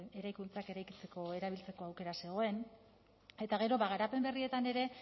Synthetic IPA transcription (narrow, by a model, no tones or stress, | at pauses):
e̞ɾajkunt͡sake̞ɾajkit͡se̞ko̞e̞ɾaβ̞ilt͡se̞ko̞awke̞ɾase̞ɣ̞o̞e̞n | e̞t̪aɣ̞e̞ɾo̞βaɣaɾape̞mbe̞rie̞t̪ane̞ɾe̞